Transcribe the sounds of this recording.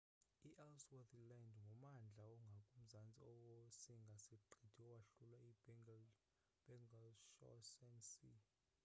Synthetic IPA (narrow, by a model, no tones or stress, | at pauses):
iʔɛlswɛθilandŋɡʱɔmand͡ɮʱaɔŋɡʱakʼum̩zant͡sʼiɔwosiŋɡʱasiǃʱid̥ʱiɔwaɬulwai | b̥ɛŋɡalʃɔ̰sɛnsḭ